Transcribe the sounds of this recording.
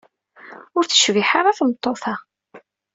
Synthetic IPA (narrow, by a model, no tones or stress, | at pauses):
ʊɾθə̥ʃviħaɾˤaθmət̪ˤːoθa